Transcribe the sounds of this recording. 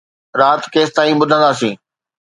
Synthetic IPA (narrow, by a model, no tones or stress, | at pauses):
ɾaːt̪keːst̪aːĩɓʊd̪ʱə̃nd̪aːsĩː